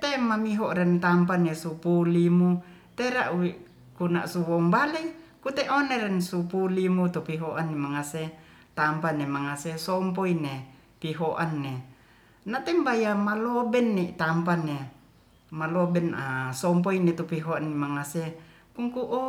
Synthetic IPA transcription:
t̪ɛmamiɦɔʔɾɛnt̪ampanesupulimu | t̪ɛɾaʔwiʔ | kuna̰ʔsuwɔmbalɛkut̪ɛʔoneɾɛnsupulimut̪upiɦoʔanːimaŋase | t̪ampanemaŋasesɔmpoine | piɦoʔanːe | nat̪ɛmbajamalɔbɛnːɛt̪ampane | malɔbɛnasɔmp̬oinet̪upiɦoanːemaŋase | kuŋkuʔɔ

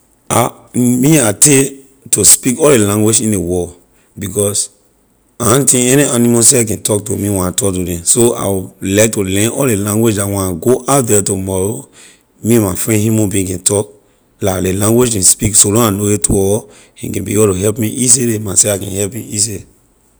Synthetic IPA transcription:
a | miate | tospikɔllelãŋɡwed͡ʒĩndewɔ | bikɔs | aãntĩɛnianimaseakɛ̃ntɔk̚tomĩwɛ̃natɔk̚tudɛ̃soa̰wulaɪk̚tulɛ̃nɔllelãŋɡwed͡ʒatwɛ̃naɡoʔat̚dɛtumɔɹo | mĩɛ̃mafɹɛ̃ndhjumãnbĩĩkɛ̃ntʰɔk̚ | laklelãŋɡwed͡ʒkɛ̃nspiksolɔ̃nanowetuɔɹo | ḭ̃kɛ̃nbḭebltoɦɛlpmiʔis̬elemasɛakɛ̃nhɛlpmiis̬e

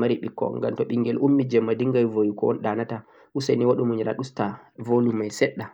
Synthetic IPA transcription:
maɾiɓikːɔ̰ŋɡa̰mtɔɓiŋɡɛlʔumːid͡ʒɛmːadiŋɡajvojukɔɔ̰nɗanata | ʔuseniwaɗumuɲɾa̰ɗustavolumajsɛɗːa

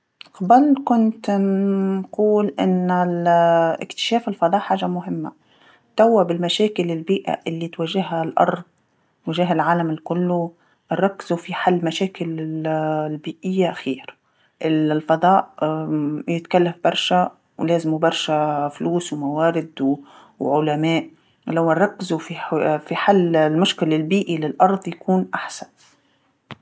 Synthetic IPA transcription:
xbalkʊnt̪ | quːlʔɪ̰nːalʔɪ̰kt̪ɪ̥ʃaːfɪlfɑd̪ˤɑːʔħaːʒamʊɦɪmːa̰ | t̪awːabɪlmaʃaːkɪlɪlbiːʔa̰ʔɪlːit̪waʒɪɦalʔɑ̰ɾˤd̪ | t̪waʒaɦalʕaːlamɪlkʊlːʊ | ʔɑɾˤːɑkːɪzufiħalːmaʃaːkɪlɪlbiːʔɪjːaʔxiːɾ | ʔɪllfɑd̪ˤɑːʔ | jɪt̪kalːafbɑɾˤʃa | wleːzɪmubɑɾˤʃafluːswmawaːɾɪd̪w | wʕʊlamaːʔ | lawɑrˤːɑkːɪzufifiħalːlmʊʃkɪlɪlbiːʔilɪlʔɑɾˤd̪ˤjakuːnʔaħsan

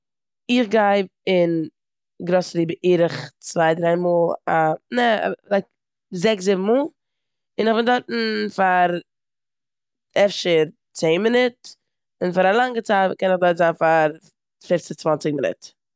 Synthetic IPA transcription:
ɪχɡaɪbɪn | ɡɾosəliːbəʔiːɾɪχt͡svaɪdɾaɪmuːlˠanɛ̰laɪk̚ | zɛkszɪbm̩muːlˠ | ɪnɪχbɪndɔɾtn̩faɾ | ɛfʃəɾ | t͡seɪnmɪnɪt | ɪnfaɾalˠaŋɡət͡saɪtkɛnɪχdɔɾtzanfaɾ | fɪft͡sɪt͡svant͡sɪɡ̚mɪnɪ̰t

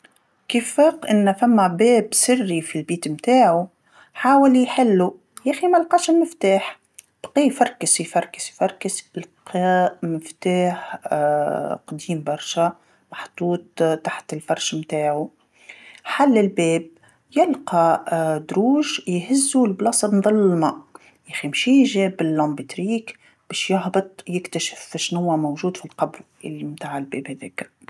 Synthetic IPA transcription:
kifːaːqʔɪnːfæmːæbɛːbsɪrːifilbiːt̪mt̪aːʕu | ħaːwɪljħɪlːu | jæːximælqɑʃɪmmːɪft̪aːħ | b̥qijfɑɾˤkɪsjfɑɾˤkɪ̥ʃjfɑɾˤkɪsɪlqʰɑmɪft̪aːħ | qd̪iːmbɑɾˤʃa | mɑħt̪ˤuːt̪̚t̪ːaħt̪ɪlfɑɾˤʃmt̪aːʕu | ħalːɪlbeːb̚ | jɪlqɑd̪ɾuːʒjɦɪzːulblɑsˤɾnðˤɨlːɪlmɑʔ | jæximʃiʒɛːbɪlːɑ̃mbɪt̪ɾiːk | b̥ɛːʃjɑɦbɨt̪ˤjɪkt̪aʃɪ̥fʃnhʊwːæmowʒuːd̪filqɑbɾ | ɪlːimt̪aːʕɪlbḛːbhæðɛːk

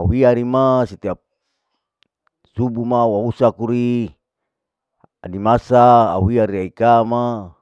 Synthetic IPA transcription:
awiaɾimasit̪ia | subumawausakuɾi | a̰dimasaa̰wiaɾiaikama

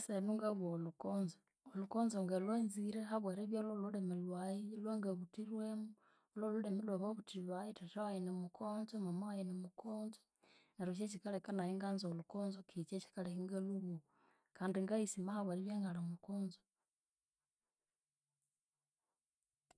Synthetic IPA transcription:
senuŋɡaβolukoːnzo | olukoːnzoŋɡalweːnziɾeɦaβweɾeβjalolulemelwajilweŋɡaβutiɾwemu | ololulemelwaβoβutiβajitatawajenemukʰoːnzomamaajenemukʰoːnzo | naɾut͡ʃ̬et͡ʃikalekanajiŋɡaːnzolukoːnzokit͡ʃet͡ʃi̥kalekiŋɡaluβu | kaːndiŋɡaisimahaβweɾeβjaːŋɡalamukoːnzo

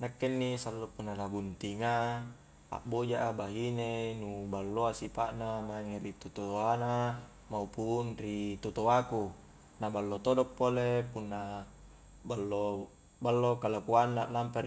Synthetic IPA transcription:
nakːenːisalːopunːanaɡunt̪iŋa | a̰ʔbod͡ʒaʔabaɦinenubalːoasipaʔnamaŋeɾit̪ot̪ot̪oana | maupunrit̪ut̪oaku | nabalːot̪odɔpːolepunːa | balːo | balːokalakuanːaʔlampe

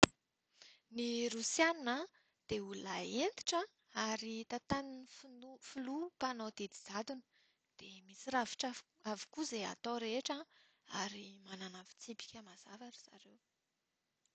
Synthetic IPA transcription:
niɾusjaninə | d̪̥eulaent̪i̥ʈ͡ʂa | aɾit̪at̪aninifnufulupanod̪ed̪i̥zad̪unə̥ | d̪̥emisiɾavi̥ʈ͡ʂa | avi̥kuzea̰t̪oɾeʈ͡ʂa | aɾimananavi̥t͡sibi̥kʲəmaz̥avaɾiz̥a̰ɾew

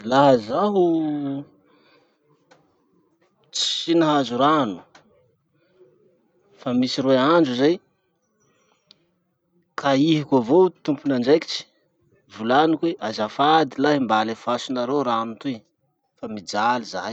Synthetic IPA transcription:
laɦəzaɦu | t͡si̥sinaɦazuɾanu̥ | famisiɾweand͡ʒuzaj | kʰaiɦikavot̪umpunand͡ʒejki̥t͡ʃi̥ | vulanikweʔazafad̪ilaɦimbalefasunaɾewɾaamit̪ui | famid͡ʒaliza

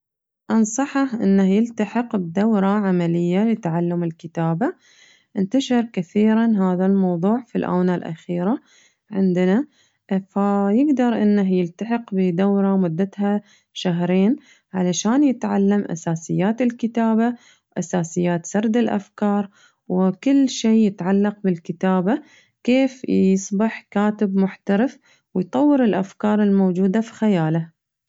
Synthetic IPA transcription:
ʔɑnsˤɑħɑhʔɪ̰nːahjɪlt̪aħɪqbd̪awɾˤɑʕamalɪjːalɪt̪ʕalːamɪlkɪt̪aːba | ʔɪnt̪aʃɪɾˤkaθiːɾanɦaːðalmɑwðˤuːʕfilʔa̰ːnalʔa̰xiːɾa | ʕɪnd̪na | fajɪɡd̪ɑɾˤʔɪnːaɦjɪlt̪aħɪqbɪd̪awɾˤɑmʊd̪ːat̪ha | ʃaɦɾeːn | ʕalaʃaːnjɪt̪ʕa̰lːamʔa̰saːsɪjːaːt̪ɪlkɪt̪aːba | wʔasaːsɪjːaːt̪sɑɾˤd̪ɪlʔa̰fkɑːɾˤ | wkɪlːʃeːjɪt̪ʕalːɑq̚bɪlkɪt̪aːba | keːfjjɨsˤbɪħkaːt̪ɪbmʊħt̪aɾɪf | wɪjt̪ˤɑwːɪɾɪlʔafkɑːɾˤɪlmowd͡ʒuːd̪afi̥xajaːla

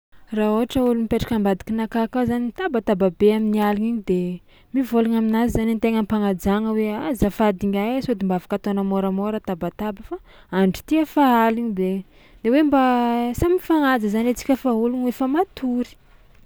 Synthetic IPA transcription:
raoɦaʈ͡ʂəulumipeʈ͡ʂḁkambad̪i̥kinakakazaniit̪abat̪ababeaminialiŋiɲid̪e | mivolaŋaminazizanint̪eŋənpaŋad͡zaŋəweazafad̪iŋajasod̪imbavḁkat̪onəmoɾəmoɾət̪abat̪abafa | aɳɖ͡ʐi̥t̪iəfaaliɲid̪e | d̪ewembasamifaŋad͡zəzanet͡si̥kʲəfaɦulunefamat̪uɾi̥

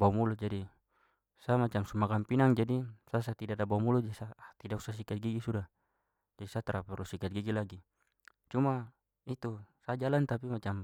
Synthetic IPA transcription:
bawmulud͡ʒadi | samat͡ʃamsumakampinaŋd͡ʒadisas̬at̪idadabaumulud͡ʒsat̪idausas̬ikat̪̚ɡiɡisuda | d͡ʒadisat̪aɾapɛɾusikat̪̚ɡiɡilaɡi | t͡ʃuma | it̪usad͡ʒalant̪apimat͡ʃam

